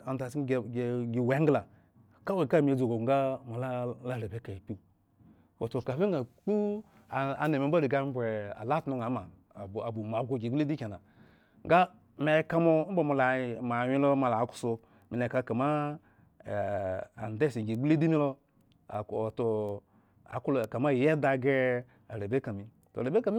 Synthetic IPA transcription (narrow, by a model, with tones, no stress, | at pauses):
a˨da˨sɡɡi˨we˨˦ɡla˨ | ka˦we˨ka˦˨mi˨e˨d͡zo˨ɡo˨ŋɡa˦mo˨la˦la˦˨le˨be˨˦ka˨i˨pi˦˨ | wo˨to˨ka˨fi˦ŋ˦ɡa˨k͡pu˦ | a˨a̰˨ne˨me˨˦ba˦li˨ɡa˦bʷe˨a̰˨la˦tno˦ŋ˨a˨˦ma˨ | a˨bu˨m˨a˨bɡo˨ɡi˨ɡ͡ble˦di˦ke˨na˨ | ŋɡa˦ | me˨˦ka˦mo˦bo˨mo˧˨la˨ma˨wi˦lo˦ma˧˨la˨˦ku̥˦so˧ | mi˨le˨ka˧ka˨ma˦˨ | a̰˨n˨de˦˨si˨ɡi˨ɡ͡ble˦di˦mi˦lo̰˦˨ | to˨ | a̰˨klka˨ma˦˨je˦da˧ɡe˦ | a˨ɾe˨be˦ka˨mi˨ | to̰˨ɾe˨be˦ka˨mi˦